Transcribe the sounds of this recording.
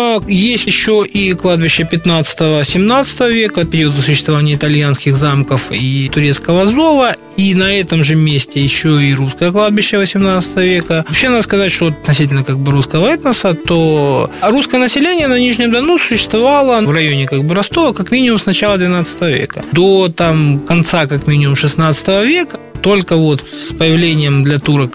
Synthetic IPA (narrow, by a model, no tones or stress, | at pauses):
jesʲtʲɪɕːo̞ʔiklˠad̪̚bʲɪɕːəpʲɪt̪nat̪sɨ̥t̪əvəsʲɪmnat̪sə̥t̪əvəvʲe̞kət̪̚pʲɪɾʲiwəd̪əs̬ʊɕ̬ːɪst̪vɐvanʲɪjəɪt̪ɐlʲjanskʲɪxzamkəfit̪ʊɾʲe̞t̪skəvəzo̞və | inɐɛt̪əmʐɨmʲesʲtʲɪjɪɕːoiɾuskəjəklˠad̪̚bʲɪɕːəvəsʲɪmnat̪sə̥t̪əvəvʲe̞kəɐpɕːe̞nad̪əskɐzatʲʂt̪oɐt̪ɐt̪nɐsʲit̬ʲɪlʲnəkaɡ̚bɨɾuskəvəɛt̪nəsət̪oɾuskəjənəsʲɪlʲenʲɪjənɐnʲiʐnʲɪmd̪ɐnusʊɕːɪ̥st̪vɐvalˠəvrɐjonʲɪkaɡ̚bɨɾɐst̪o̞vəkɐkmʲinʲɪmʊmsnɐt͡ɕalˠəd̪vʲɪnat̪sə̥t̪əvəvʲḛkəd̪o̞t̪amkɐnt̪sakakmʲinʲɪmʊmʂɨsnat̪sɨ̥t̪əvəvʲe̞kət̪o̞lʲkəvo̞t̪spəjɪvlʲenʲɪjəmd̪lʲɐt̪uɾə